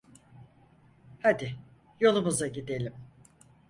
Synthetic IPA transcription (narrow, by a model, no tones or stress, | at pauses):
had̪ɪ | jo̞lˠumuzaɟid̪elʲim